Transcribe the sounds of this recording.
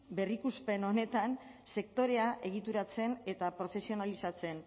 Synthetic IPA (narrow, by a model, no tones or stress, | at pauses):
be̞rikuspe̞no̞ne̞t̪anse̞kt̪o̞ɾe̞aʔe̞ɣ̞it̪uɾat͡se̞ne̞t̪apɾo̞fe̞sio̞nalisat͡se̞n